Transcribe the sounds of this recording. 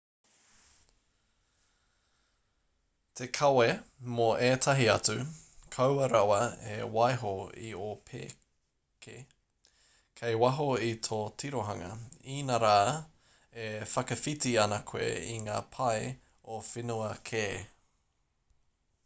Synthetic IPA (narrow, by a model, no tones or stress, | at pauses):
t̪ʰekʰɐwemoʔeːtʰɐɦiɐt͡sʉkʰɐwɐɾɐwɐḛwɐjɦoḭopʰḛː | kʰḛ | kʰejwɐɦoitʰoːtʰiɾoɦɐŋɐ̰iːnɐɾaː | efɐkɐfitiɐnɐkʰwḛiŋaːpʰɐj | ofenuɐkʰeː